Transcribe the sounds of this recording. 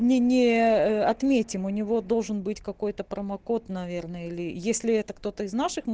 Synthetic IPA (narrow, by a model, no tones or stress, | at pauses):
nʲɪnʲɪəɐt̪mʲetʲɪmʊnʲɪvo̞d̪o̞lˠʐɨnbɨtʲkɐko̞jt̪əpɾəmɐko̞t̪nɐvʲe̞rnəilʲɪjesʲlʲɪɛt̪əkt̪o̞t̪əɪznaʂɨx